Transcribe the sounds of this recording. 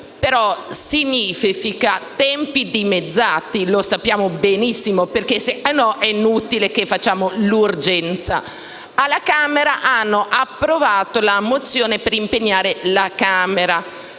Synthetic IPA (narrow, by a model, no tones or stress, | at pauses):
peɾɔsiɲiːfifikat̪ɛmpid̪imed̪zːaːt̪ilosapːjaːmobenisːimoperkeseanːɔʔɛinuːt̪ilekefːat͡ʃːaːmolurd͡ʒɛnt̪sa̰ | alːakaːmeɾaʔanːoʔapːɾovaːt̪olamot̪sːjoːnepeɾimpeɲːaːɾelakaːmeɾa